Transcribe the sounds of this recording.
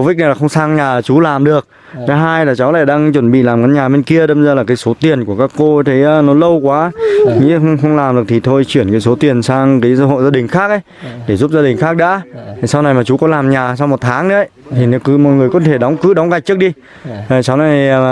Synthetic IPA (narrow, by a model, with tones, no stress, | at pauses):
vi˦˥k̚na˨˩jlːa˨˩xə˧ŋ͡msaː˧ŋɲaː˨˩˨t͡ɕu˨˦laː˨˩mɗɨ˨˩ək̚ | t̪ʰə˨˦ɦaː˧jlaː˨˩t͡ɕa˨˦wla̰ː˧˨jɗaː˧ŋt͡ɕwə˧˩nɓḭ˧˨laː˨˩mkaː˨˦nɲaː˨˩ɓe˧nki˧əɗe˧˦ɓə˧zəː˨˩laː˨˩kaː˨˦jso˨˦t̪i˨˩ənku˧˩əkaː˦˥kːo˧˦t̪ʰə˨˦jnɔ˨˦lə˧wkwaː˨˦ɲḭ˧˥xwŋ͡mxə˧wŋ͡mlaː˨˩mɗɨ˨˩ək̚t̪i˨˩t̪ʰo˧jt͡ɕwi˧˩ənkaː˨˦jso˨˦t̪i˨˩ənsaː˧ŋkaː˨˦jsə̰˧˥ɦo̰˧˨zaː˧ɗï˨˩ŋ̟xaː˦˥k̚ʔə˨˦j | ɗe˧˩zu˦˥p̚zaː˧ɗï˨˩ŋ̟xaː˦˥k̚ɗa̰ː˧˥i˨˩sa˧wna˨˩jmaː˨˩t͡ɕu˨˦kɔ˨˦laː˨˩mɲaː˨˩sa˧wŋ͡mmo˨˩t̚t̪ʰaː˨˦ŋɗə̰˧˦ə˦jt̪ʰi˨˩n˨˦kɨ˨˦mɔ̰˧˨jŋɨ˨˩əjkɔ˨˦t̪ʰe˧˩ɗɔ˨˦wŋ͡mkɨ̰˧˥ɗɔ˨˦wŋ͡mɣa˨˩k̚t͡ɕɨ˦˥k̚ɗi˧ | a˨˩t͡ɕa˨˦wna˨˩j